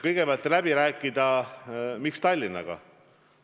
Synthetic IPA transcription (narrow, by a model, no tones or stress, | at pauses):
kɤjɡ̥ebɑlt̪læb̥iɾæːkːˑid̪̥ɑ | mikst̪ɑlʲːinːɑ̰ɡ̥ɑ̰